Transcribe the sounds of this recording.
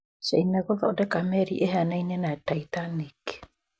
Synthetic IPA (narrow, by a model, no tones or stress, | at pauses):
sainaɣɔðaodɛkamɛɾḭʔeɦanainɛnataitanike̥